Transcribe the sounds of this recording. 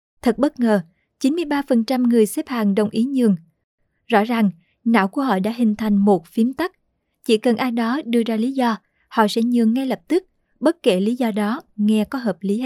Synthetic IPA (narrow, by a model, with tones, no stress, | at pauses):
t̪ʰə˨˩t̚ɓə˦˥t̚ŋəː˨˩ | t͡ɕi˨˦nmɨ˧əjɓaː˧fə˨˩nt͡ɕa˧mŋɨ˨˩əjsɛ˦˥p̚haː˨˩ŋɗə˨˩wŋ͡mʔi˨˦ɲɨ˨˩əŋ | zɔ̰˧˥za˨˩ŋ | na̰ː˧˥wku˧˩əhɔ̰˧˨ɗa̰ː˧˥ɦï˨˩ŋ̟t̪ʰa˨˩jŋ̟mo˨˩t̚fi˨˦əmt̪a˦˥k̚ | t͡ɕḭ˧˩kə˨˩nʔaː˧jɗɔ˨˦ɗɨ˧əzaː˧li˨˦zɔ˧ | hɔ̰˧˨sɛ̰˧˥ɲɨ̰˨əŋːa˧jlə˨˩p̚t̪ɨ˦˥k̚ | ɓə˦˥t̚ke˧˩li˨˦zɔ˧ɗɔ˨˦ŋɛ˧kɔ˨˦ɦəː˨˩p̚li˨˦